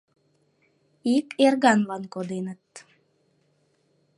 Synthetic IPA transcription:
ikʰerɣɑnβɑnkod̪enə̆t̪

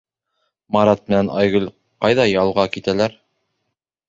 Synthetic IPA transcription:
mɑɾɑt̪̚mɘ̆nænʔɑjɣɵl | qɑjðɑjɑlˠʁɑkit̪ælæɾ

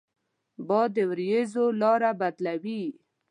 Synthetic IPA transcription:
bɔd̪əwɾjezolɑɾabad̪lawi

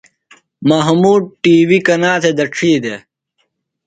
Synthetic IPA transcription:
mɐɦmuːɖ̚ʈiːwikɐnaːt̪ʰed̪ɐʈ͡ʂʰiːd̪e

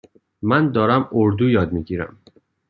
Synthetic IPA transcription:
mænd̪ɒːɾæmoɾd̪uːjɒːd̪̚miːɟiːɾæ̰m

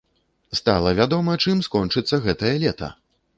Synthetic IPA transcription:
st̪a̰lˠɐvʲad̪ɔmɐt͡ʂɨmskɔnt͡ʂɨt̪sːɐɣɛt̪ɐjɐlʲɛt̪ɐ̰

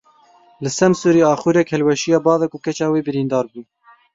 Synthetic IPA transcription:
lɨsɛmsuːɾiːɑːxuːɾɛkhɛlwɛʃijɑːbɑːðɛkʊkɛt͡ʃɑːweːbɨɾiːnd̪ɑːɾbuː

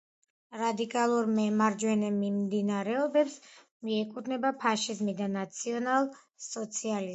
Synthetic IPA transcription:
ɾad̪ikʼalˠuɾmɛmaɾd͡ʒwɛnɛmimd̪inaɾɛɔbɛps | miɛkʼud̪nɛbapʰaʃizmid̪anat̪sʰiɔnalˠ | sɔt̪sʰiali

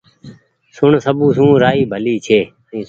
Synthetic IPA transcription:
sʊɳsəbũːsũːɾaːiːbʱəliːt͡ʃʰeː | ĩː

